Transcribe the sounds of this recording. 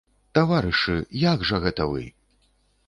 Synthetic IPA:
t̪avaɾɨʂɨjaɡʐɐɣɛt̪ɐvɨ̰

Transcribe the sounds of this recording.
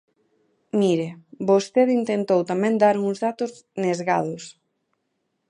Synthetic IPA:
miɾebost̪eðint̪ent̪owt̪amɛ̃nd̪aɾuŋzðat̪ʊz | nezɣaðʊs

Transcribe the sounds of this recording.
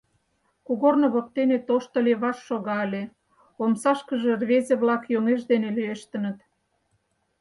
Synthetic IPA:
kuɣornŏβok̚t̪enet̪oʃt̪ə̆leβɑʃːoɣɑəlʲe | omsɑʃkəʒĕrβezeβlɑkjoŋeʃd̪enelyeʃt̪ə̆nə̆t̪

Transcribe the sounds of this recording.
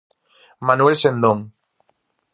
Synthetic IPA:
manuelsend̪õŋ

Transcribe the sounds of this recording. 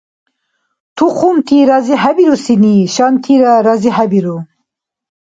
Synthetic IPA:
t̪ʰuχʰumt̪ʰiɾaziɦabiɾusiniʃant̪ʰiɾaɾaziɦabiɾu

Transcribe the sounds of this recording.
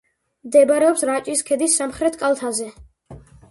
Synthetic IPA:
md̪ɛbɾɛɔpsɾat͡ʃʼiskʰɛd̪isːamχɾɛt̪ʰkʼalˠt̪ʰazɛ

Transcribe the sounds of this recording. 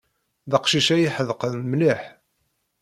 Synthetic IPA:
ðɑqʃiʃæjiħəðqəðmliħ

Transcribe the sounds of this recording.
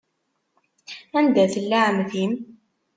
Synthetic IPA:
ænd̪æθəlːaʕmθim

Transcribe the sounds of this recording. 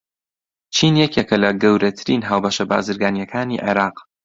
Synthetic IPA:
t͡ʃʰiːnjɛkekʰɐlɐɡɐwɾɐt̪ʰɨɾiːnɦaːwbɐʃɐba̰ːzɨɾɡaːnjɐkʰaːniʕḛɾɑːq

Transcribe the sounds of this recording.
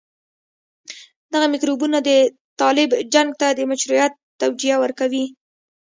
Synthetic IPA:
d̪aɣamɪkɾubunad̪ə | t̪ɑlɪbd͡ʒaŋɡ̚t̪ad̪əmaʃɾujat̪ːawd͡ʒijawəɾkawi

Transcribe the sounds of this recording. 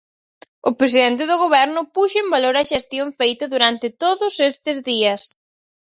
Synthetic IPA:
ʊpɾes̬iðent̪̬ɪðʊɣoβɛɾnʊpuʃʊembaloɾɐʃest̪joɱfejt̪ɐðuɾant̪ɪt̪oðʊsest̪ɪzðiɐs

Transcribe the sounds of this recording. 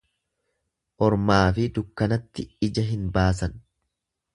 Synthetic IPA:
ʔɔɾmaːfɪd̪ʊkːɐnɐt̪ːɪɪd͡ʒɐɦɪnbaːs̬ɐn

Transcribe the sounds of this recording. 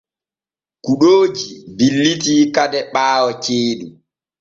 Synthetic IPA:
kuɗoːd͡ʒibilːitiːkadɛɓaːwɔt͡ʃeːɗu

